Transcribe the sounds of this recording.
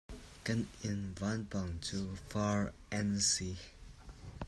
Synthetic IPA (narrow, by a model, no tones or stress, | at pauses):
kənĩnvanpãŋtʰufaɹɛ̃nsi